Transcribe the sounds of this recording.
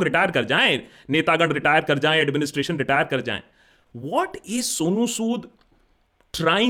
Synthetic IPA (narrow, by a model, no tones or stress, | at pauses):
kɾɪʈaːjəɾkɐɾd͡ʒaːẽ | neːt̪aːɡə̃ɳɖɾɪʈaːjəɾkɐɾd͡ʒaːẽɛɖmɪnɪsʈɾeːʃə̃nɾɪʈaːjəɾkɐɾd͡ʒa̰ːḛ̃ː | ʋɔːʈɪzsoːnũːsuːd̪ | ʈɾaːɪ̃